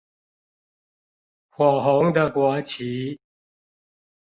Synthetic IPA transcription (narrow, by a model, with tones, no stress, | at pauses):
xwɔ˨˩ɦo˨˥ŋd̪ə˨kwɔ˨˦t͡ɕʰi˨˦